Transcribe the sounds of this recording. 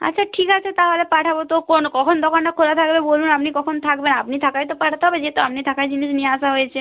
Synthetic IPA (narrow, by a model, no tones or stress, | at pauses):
a̰tːʃʰaʈʰikat͡ʃʰet̪aɦolepaʈʰabot̪okonkɔkʰond̪okʰanʈakʰolat̪ʰakbebolunapnikɔkʰont̪ʰakbenapnit̪ʰakajt̪opaʈʰat̪eɦɔbed͡ʒet̪oapnit̪ʰakajd͡ʑiniʃnieaʃaɦojet͡ʃʰe